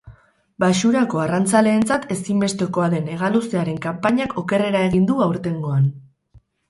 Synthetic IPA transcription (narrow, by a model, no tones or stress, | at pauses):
baʃuɾako̞arant͡sale̞ːnt͡sat̪e̞simbe̞st̪e̞ko̞aðe̞ne̞ɣalusiaɾe̞ŋkampaɲakʰo̞ke̞re̞ɾae̞ɣ̞ind̪uawɾt̪e̞ŋɡo̞an